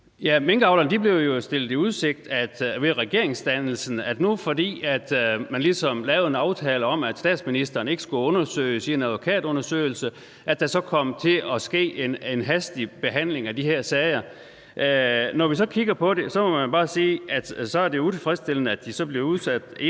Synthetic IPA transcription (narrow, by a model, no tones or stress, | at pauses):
jæmeŋɡ̥ɑ̈ʊlɐnd̥ib̥le̝ʊjo̝sd̥e̝l̰d̥̩ˠiuð̞ˠse̝ɡ̥̚d̥æd̥ʋeʁɛɡ̥e̝ɐe̝ŋsd̥ænl̩sn̩ædnufɒ̽d̥ḭːæd̥mænlisɒ̽mlɛːʊð̩ˠenɑ̈ʊt͡sʰɛːləɒ̽mæd̥sd̥ɛ̰ːd̥sminisd̥ɐːn̩e̝ɡ̥ə̥sɡ̥uɔ̽nɐsø̰ːɪsie̝næðˠʋo̝kʰɛ̰ːd̥ɔ̽nɐsø̰ːɪl̩sə | ʔæd̥æsɒ̽kʰɒ̽m̰t͡sʰe̝ɒ̽sɡ̥e̝̰ːenenɦæsd̥ib̥e̝ɦæn̰le̝ŋæd̥iheɐsɛːɪɐ | ʔnɒʋis̬ɒ̽kʰiɡ̥ɐpʰɒ̽ɾe̝sɒ̽mɒ̽mænb̥ɑ̈ːsiːʔæd̥sɒ̽æɐd̥e̝jout͡sʰe̝fʁɛsd̥e̝l̰ənəæd̥isɒ̽b̥le̝ʊuðˠsæd̥e